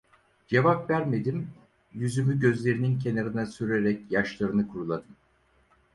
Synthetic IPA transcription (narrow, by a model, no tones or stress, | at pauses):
d͡ʒe̞vapvæɾme̞d̪im | jyzymyɟø̞zlʲe̞ɾininc̬ʰe̞naɾɯnasyɾeɾɛcjaʃlˠaɾɯnɯkʰuɾulˠad̪ɯm